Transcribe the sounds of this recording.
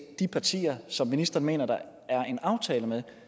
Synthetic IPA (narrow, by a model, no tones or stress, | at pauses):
d̥ipʰɑ̈t͡sʰḭːɐsɒ̽mːinisd̥ɐːn̩me̝̰ːnɐd̥ɑ̈ | æɐe̝nɑ̈ʊt͡sʰɛːləmeðˠ